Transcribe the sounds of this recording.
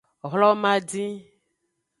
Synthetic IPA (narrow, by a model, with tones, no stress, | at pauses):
ɔ˨ɦlɔ˦mã˦dĩ˦